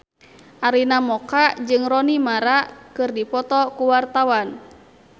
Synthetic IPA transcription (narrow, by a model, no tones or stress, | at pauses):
ʔaɾinamɔkad͡ʒɨŋrɔnimaɾakɨrdipɔt̪ɔkuwart̪awan